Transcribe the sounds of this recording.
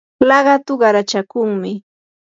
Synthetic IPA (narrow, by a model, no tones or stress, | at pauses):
lɑɢɑt̪ʊɢɑɾat͡ʃakʊŋmɪ